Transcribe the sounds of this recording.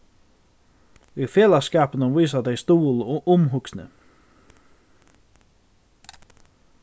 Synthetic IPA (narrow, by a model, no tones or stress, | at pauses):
ifeːlaskaːpənəʋiːs̬ad̪eɪst̪uːlʔʊmɦʊksnə̰